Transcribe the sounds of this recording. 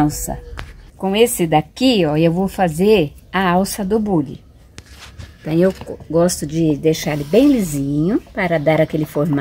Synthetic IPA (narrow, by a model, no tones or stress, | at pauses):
sɐ̰kõesɪd̪akiɔewvowfazeɾɐawsɐd̪ʊbulɪ̰ | ẽt̪ɐ̃w̃ewɡɔst̪ʊd͡ʒɪd̪ejʃaɾlɪbẽj̃lizĩɲʊpaɾɐd̪aɾakelɪfoɾm